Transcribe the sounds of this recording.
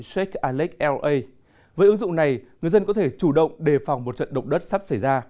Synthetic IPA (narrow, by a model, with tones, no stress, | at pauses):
sɛ˦˥k̚ʔaː˧li˦˥k̚ʔɛ˧ə˧j | vəː˨˦jʔɨ˨˦ŋzʊ̰˧˨ŋ͡mna˨˩jŋɨ˨˩əzə˧nkɔ˨˦t̪ʰe˧˩t͡ɕu˧˩ɗə̰˧˨wŋ͡mɗe˨˩fa˨˩wŋ͡mmo˨˩t̚t͡ɕə̰˧˨nɗə˨˩wk͡p̚ɗə˦˥t̚sa˦˥p̚sa˧˩jzaː˧